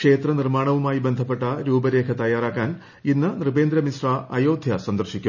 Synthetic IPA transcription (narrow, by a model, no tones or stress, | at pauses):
ʂe̞ːt̪rɐnirmaːɳɐʋumaːjibe̞nd̪ʱɐpːe̞ʈːɐɾuːbɐɾe̞ːkʰɐt̪ɐjːaːraːkːaːn | inːɨnrɨbe̞ːnd̪ɾɐmisraːʔɐjo̞ːd̪ʱjɐsɐnd̪ɐrɕikʲːum